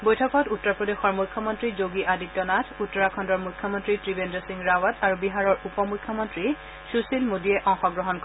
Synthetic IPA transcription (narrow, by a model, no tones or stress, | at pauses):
bojtʰɔkʰɔtutːɔpɹɔdexɔɹmujkʰːɔmɔntɹizoɡiʔaditːɔnatʰutːɔɹakʰɔndɔɹmujkʰːɔmɔntɹitɹibendɔsiŋɹawataɹubiɦaɹɔɹupɔmujkʰːjɔmɔntɹi | susilmodiɛʔɔŋxɔɡɹɔɦɔnk